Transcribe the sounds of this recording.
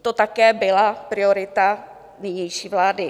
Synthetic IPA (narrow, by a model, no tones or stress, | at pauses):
t̪ot̪akɛːbɪlapɾɪoɾɪt̪a | nɛɲɛjʃiːvlaːdɪ